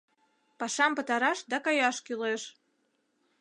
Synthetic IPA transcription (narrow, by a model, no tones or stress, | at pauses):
pɑʃɑmpə̆t̪ɑɾɑʃd̪ɑkɑjɑʃkyleʃ